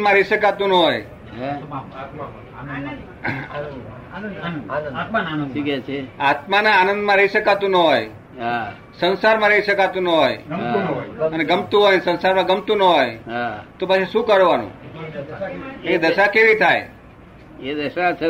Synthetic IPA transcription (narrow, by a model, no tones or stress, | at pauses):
mãɾəɦiʃəkat̪ũnəɦoj | ikɛt͡ʃʰeat̪manaːnə̃nd̪mãɾəiʃəkat̪ũnəɦoj | ɦa | sənsaɾmãɾəɦiʃəkat̪ũnəɦoj | əneɡəmt̪ũɦojnsə̃nsaɾmãɡəmt̪ũnəɦojt̪opat͡ʃʰeʃũkəɾʋanṵ̃ | ẽd̪əʃakeʋit̪ʰaj | ed̪əʃat͡ʃʰe